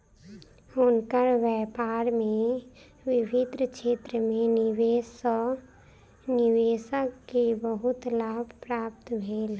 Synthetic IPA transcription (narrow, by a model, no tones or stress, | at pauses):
ʊnkəɾʋɛːpaːɾmẽ | wɪbɪd̪ɾəkʃeːt̪ɾəmẽnɪʋes | nɪweːsəkkebəɦʊt̪laːbʱpɾaːp̚t̪bʱeːl